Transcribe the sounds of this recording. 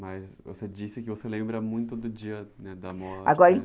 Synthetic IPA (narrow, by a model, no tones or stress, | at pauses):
mɐzvo̰sed͡ʒisɪkɪvoselẽmbɾɐmũj̃t̪ʊd̪ʊd͡ʒiɐnɛd̪ɐmɔa̰ɡɔɾɐẽ